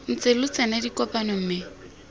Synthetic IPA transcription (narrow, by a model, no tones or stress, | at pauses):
n̩t͡sʼɪlʊt͡sɛnadikʼɔpanɔm̩ːmɪ